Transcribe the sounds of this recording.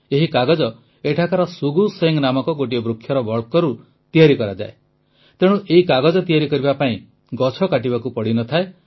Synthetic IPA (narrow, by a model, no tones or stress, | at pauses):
eɦikaɡɔd͡ʒɔ | eʈʰakaɾɔsuɡuseŋnamɔkɔɡoʈijɔbɾukʰjɔɾɔbʱɔɭkɔɾu | t̪ijaɾikɔɾad͡ʒa̰e | t̪eɽ̃ũʔeɦikaɡɔd͡ʒɔt̪ijaɾikɔɾibapaĩ | ɡɔt͡ʃʰɔkaʈ̬ibakupɔɽinɔt̪ʰae